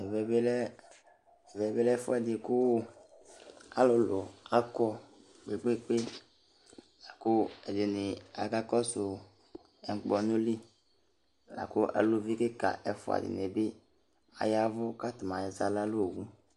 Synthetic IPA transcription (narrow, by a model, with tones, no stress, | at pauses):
ɛ˨vɛ˦be˦lɛ˦ | ɛ˨vɛ˨˦be˦lɛ˦fʊ˦ɛ˨dɪ˨kʊ˦ | a̰˨lɔ˨lo˨a˦kɔ˦ | ɡ͡be˨ɡ͡be˦k͡pe˦ | la˨ko˦ɛ˨de˨nɪ˨a̰˨ka˦kɔ˦sʊ˨ | ɛ˨ŋ̩˨k͡pɔ˨nʊ˦li˦˨ | la̰˨ko˦ʔa̰˨lo˦vi˦ke˦ka̰˨ʔɛ˨fʊ̰˨a̰˨dɪ̰˨ne˨bɪ˦ | a̰˨ja˦vʊ˦ka˦t̪mã˨ja˨za˨la˦lo˦o˨ɡũ˦